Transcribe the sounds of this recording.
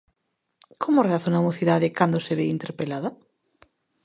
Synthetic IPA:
kʰomoreaθonaumoθiðaðɪkand̪oseβeint̪eɾpelaðɐ

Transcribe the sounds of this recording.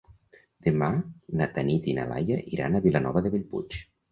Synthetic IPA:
d̪̥emanat̪anit̪ina̰la̰jaʔiɾa̰naβilanɔβaðeβilpṵt͡ʃ

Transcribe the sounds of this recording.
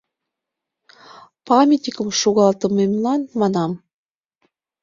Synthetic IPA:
pɑmʲet̪nʲikəmʃoɣɑlt̪əmemlɑnmɑnɑm

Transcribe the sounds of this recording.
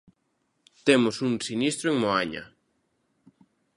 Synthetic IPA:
t̪emʊsuŋsinist̪ɾoeŋmoaɲɐ̰

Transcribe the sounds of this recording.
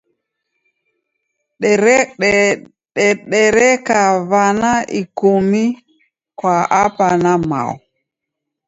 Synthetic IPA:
ɗ | ɗɛɗɛɾɛkaβanaʔikumi | kwaʔapanama̰ɔ̰

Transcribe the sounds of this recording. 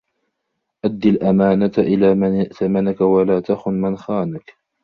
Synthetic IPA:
ʔad̪ːɪlʔamaːnat̪ʔɪlaːmnʔθamanakawalaːt̪axʊnmɪnxaːnak

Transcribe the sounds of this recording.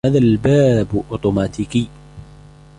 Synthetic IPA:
aːðaːlbaːbʔʊt̪ˤʊmaːt̪ikiː

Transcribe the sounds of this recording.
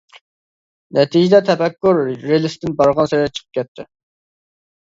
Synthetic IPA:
nʔɛt̪ʰid͡ʒɪd̪ɛt̪ʰɛfɛkʲːuɾːelˠɪst̪ɪnbɑɾʁɑnseɾɪd̪ɛt͡ʃʰə̥qʰəp̚kʲɛt̪ʰːɪ

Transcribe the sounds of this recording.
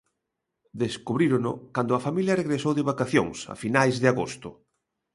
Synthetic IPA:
d̪eskuβɾiɾonʊ̰kand̪ʊɐfamiljɐreɣɾesowðɪβakaθjo̰ŋsɐ̰finajzðɪaɣost̪ʊ

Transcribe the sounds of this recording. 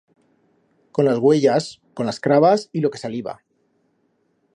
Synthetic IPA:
ko̞nlazɣwe̞ʝasko̞nlaskɾaβasilo̞ke̞saliβa̰

